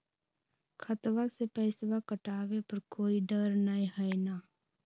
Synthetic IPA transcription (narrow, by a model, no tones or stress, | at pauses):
kʰət̪ʋasepəɪsʋakəʈaːʋepəɾkoːiɖəɾnaĩɦəenaː